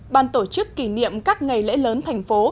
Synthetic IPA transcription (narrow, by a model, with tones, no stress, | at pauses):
ɓaː˨˩nt̪o˧˩t͡ɕɨ˦˥kːi˧˩nḭ˧˨əmkaː˦˥k̚ŋa˨˩jlɛ̰˧˥ləː˨˦nt̪ʰa˨˩jŋ̟fo˨˦